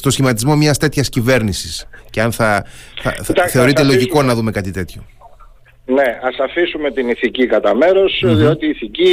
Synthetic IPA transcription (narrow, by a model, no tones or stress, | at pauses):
st̪osçimɐt̪izmo̞mɲɐst̪e̞t̪çɐscive̞ɾnisisceɐnθɐθɐ̰ɐθe̞oɾit̪elo̞ʝiko̞nɐðume̞kɐt̪it̪e̞t̪ço̞ | ne̞ɐsɐfisume̞t̪iniθicikɐt̪ɐme̞ɾo̞sðio̞t̪iːθici